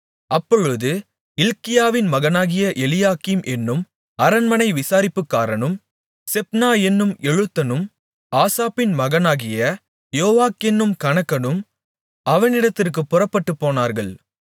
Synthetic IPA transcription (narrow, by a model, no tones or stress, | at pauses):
ʔɐpːɔɻɯðɯ | ɪlkɪjaːʋɪnmɐɣɐnaːɣɪjɐʔɛlɪjaːkimʔɛnːɯm | ɐɾɐnmɐnɐɪʋɪsaːɾɪpːɯkːaːɾɐnɯm | sɛp̚naːɛnːɯmɛɻɯt̪ːɐnɯm | aːsaːpɪnmɐɣɐnaːɣɪjɐ | joːʋaːkɛnːɯmkɐɳɐkːɐnɯm | ɐʋɐnɪɽɐt̪ːɪrk̬ɯpːʊrɐpːɐʈːɯpːoːnaːɾɣɐɭ